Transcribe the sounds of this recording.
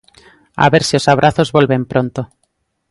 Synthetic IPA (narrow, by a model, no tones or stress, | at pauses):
a̰βeɾsio̞saβ̞ɾʔaθo̞zβo̞lβe̞mpɾont̪o